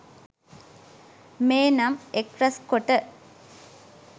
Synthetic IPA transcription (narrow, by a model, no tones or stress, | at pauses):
meːnɐmekɾɐskoʈːɐ